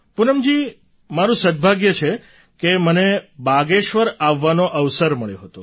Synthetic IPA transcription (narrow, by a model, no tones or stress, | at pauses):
punəmd͡ʒi | maɾũsəd̪̚bʱaɡjət͡ʃʰe | kemənebaɡeʃʋəɾaʋːanoʔəʋsəɾməɭeɦət̪o